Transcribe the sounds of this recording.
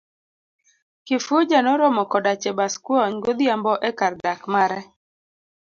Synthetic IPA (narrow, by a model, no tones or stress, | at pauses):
kɪfʊd͡ʒanɔɾɔmɔkɔdat͡ʃɛbaskwɔɲɡod̪jambɔʔekardakmaɾɛ